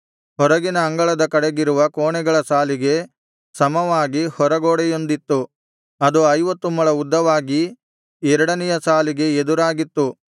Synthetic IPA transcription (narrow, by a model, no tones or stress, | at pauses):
hɔɾɐɡinɐːŋɡɐɭɐd̪ɐkɐɽeɡiɾuʋɐkoːɳɛɡɐɭɐsaːliɡe̞ | sɐmɐʋaːɡihɔɾɐɡoːɽɛjo̞nd̪it̪ːu | ɐd̪uɐjʋɐt̪ːumɐɭɐud̪ːɐʋaːɡi | ɛɾɐɽɐnɛjɐsaːliɡe̞ed̪uɾaːɡit̪ːu